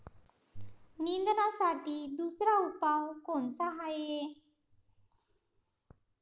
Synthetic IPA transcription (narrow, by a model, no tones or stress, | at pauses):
nind̪nasaʈiːd̪usɾaupawkoɳt͡saɦaje